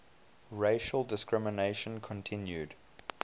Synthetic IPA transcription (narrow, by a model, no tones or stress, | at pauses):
ɹeɪʃəlˠdɪskɹɪməneɪʃə̃nkʰɔ̃ntʰɪ̃njud